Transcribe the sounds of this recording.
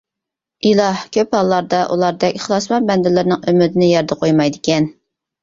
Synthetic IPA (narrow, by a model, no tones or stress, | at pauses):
ʔilˠɑhkʲʰøphɑlˠːɑɾd̪ɑʔṵlˠɑɾd̪ɛkʲχlˠɑsmɑnbɛnd̪ɪlɪɾnɪŋømɪd̪ɪnɪjɑɾd̪əqʰojmɑjd̪ɪkʲʰɛn